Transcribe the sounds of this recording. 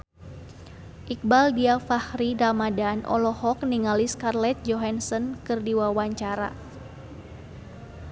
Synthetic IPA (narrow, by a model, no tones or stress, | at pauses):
ʔik̚baldiafahɾiɾamadanʔɔ̰lɔhɔkniŋaliskarlɛt̪̚d͡ʒɔɦansɔnkɨrdiwawaɲt͡ʃaɾa̰